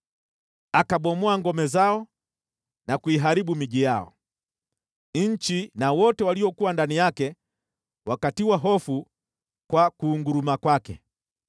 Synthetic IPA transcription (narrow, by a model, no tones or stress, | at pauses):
akaɓɔmɔaŋɡɔmɛzaɔ | nakuiɦaɾiɓumiʄijaɔ̰ | ɲ̩t͡ʃinawɔtɛwaliɔkuwandanijakɛ | wakatiwaɦɔfu | kwakuːŋɡuɾumakwakɛ̰